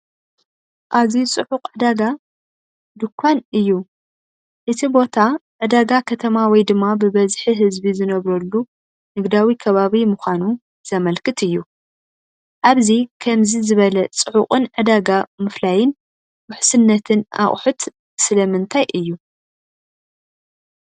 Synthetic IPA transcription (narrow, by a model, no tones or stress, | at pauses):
ʔazit͡sʼɨʕʊqʼʕɨd̪aɡa | d̪ɨkʰʷːanɨjːu | ʔɨt̪ʰibo̞t̪ʰaʕɨd̪aɡakʰɐt̪ʰɐmawɔjd̪ɨmːabɨβɐzħiɦɨzbizɨnɐβɾɐlːu | nɨɡd̪awikʰɐβaβimʊxʷanu | z̥ɐmɐlkʰɨt̪ʰɨjːu | ʔaβzikʰɐmzizɨβɐlɐt͡sʼɨʕʊχʼɨnʕɨd̪aɡamɨflajɪn | wʊħsɨnːɐt̪ʰɨnʔa̰χʼħut̪ | sɨlɐmɨnt̪ʰajʔɨjːu